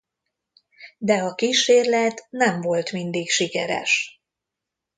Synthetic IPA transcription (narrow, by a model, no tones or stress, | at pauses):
d̪ɛɒkiːʃeːrlɛt̪nɛɱvo̞lt̪mind̪ikʃikɛɾɛ̰ʃ